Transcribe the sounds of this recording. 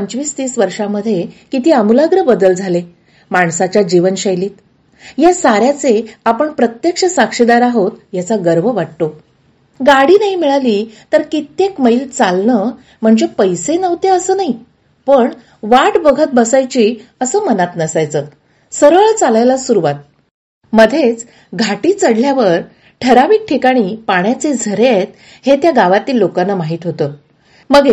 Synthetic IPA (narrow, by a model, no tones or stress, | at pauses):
əɲt͡ɕʋiːst̪iːsʋəɾʂaməd̪ʱːjekit̪iːamulaɡɾəbəd̪əld͡zʱale | maɳsat͡ɕjad͡ʑiʋənɕajliːt̪ | jasaɾjat͡seapəɳpɾət̪jekʂəsakʂid̪aɾaɦot̪jat͡saɡəɾʋəʋaʈt̪o | ɡaɽiːnaɦimiɭaliːt̪əɾkit̪jekməilt͡salnə | m̤əɳd͡zepəjsenəʋt̪eəsəːnaɦi | pəɳ | ʋaʈbəɡʱət̪̚bəsajt͡ɕiːəsəːmənat̪nəsajt͡səː | səɾʋəɭt͡salajlasuɾuʋat̪̚ | məd̪ʱet͡s | ɡʱaʈiːt͡səɽljaʋəɾ | ʈʰəɾaʋiːk̚ʈʰikaɽ̃iːpaɳjat͡sed͡zʱəɾet̪̚ | het̪jaɡaʋat̪iːlːokanːamaɦiːt̪ɦot̪əː | məɡe